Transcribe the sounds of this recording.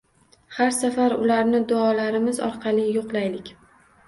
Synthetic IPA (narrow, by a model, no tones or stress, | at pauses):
haɾsafaɾʊlaɾnɪd̪ʊɒlaɾɪmɪzɒ̰ɾqʰɑlɪjoqlajlɪkʲ